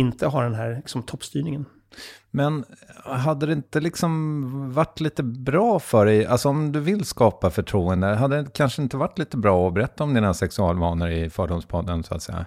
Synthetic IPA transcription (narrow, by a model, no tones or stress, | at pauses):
ɪnt̪əɦaɖɛnɦæːɾɪksɔmt̪ʰɔpːst̪yːnɪŋən | mɛnɦad̪ːəd̪ɛɪnt̪əlɪksɔmvaʈːliːt̪əbɾɑːfœɖɛja̰lsɔɔmd̪ɵvɪlskɑːpafœʈʰɾuːənd̪əɦad̪ːəkʰanʂəɪnt̪əvaʈːliːt̪əbɾɑːɔbɛɾɛt̪ʰːaɔmd̪ɪːnɳasɛksɵɑ̰ːlvɑːnəɾɪfœːɖʊmspʰɔd̪ːənsʊa̰t̪sɛ̰jːa̰